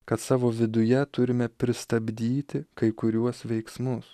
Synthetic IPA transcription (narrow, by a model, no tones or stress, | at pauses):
kɐt̪sɑːʋoːʋʲɪd̪ʊjɛt̪ʊɾʲɪmʲɛpʲɾʲɪst̪ɐbʲd̪ʲiːt̪ʲɪkɐɪkʊɾʲuɔsʋʲɛɪksmʊs